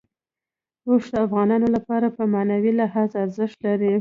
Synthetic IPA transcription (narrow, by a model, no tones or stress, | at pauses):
osd̪əafɣɑnɑnolapɑɾapəmanawilɪɦɑzaɾzɪʃt̪laɾi